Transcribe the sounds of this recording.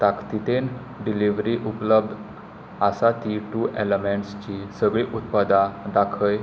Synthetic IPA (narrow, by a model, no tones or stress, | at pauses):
t̪akt̪it̪ʰen | ɖiliʋɾiʔupləb̚d̪ʱ | asat̪iʈuːʔeləmẽɳʈst͡ɕisəɡɭiːʔut̪pad̪ad̪akʰəj